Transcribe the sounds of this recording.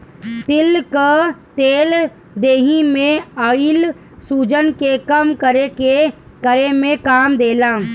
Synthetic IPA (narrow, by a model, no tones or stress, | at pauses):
t̪ɪlkat̪eːl | d̪eːɦimẽəɪl | suːd͡ʒənkekəmkəɾeke | kəɾemẽkaːmd̪eːlãː